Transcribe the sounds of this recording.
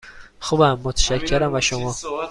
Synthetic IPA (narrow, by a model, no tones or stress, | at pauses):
xubæmːot̪ʰæ̥ʃæcʰːeɾæmvæʃomɒː